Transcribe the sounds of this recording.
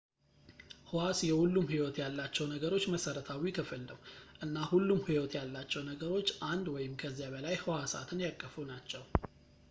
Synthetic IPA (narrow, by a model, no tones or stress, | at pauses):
hɨwasjɛhulːumhiwɔt̪jalːat͡ʃːɛwnəɡəɾo̞t͡ʃːməsəɾət̪ʰawikʰəfɨlnəwʔɨnːahulːumhiwɔt̪jalːat͡ʃːɛwnəɡəɾo̞t͡ʃːʔand̪wɔjɪmkʰəzːijaβəlajhɨwasa̰t̪ʰɨnjakʼːəfunat͡ʃːɛw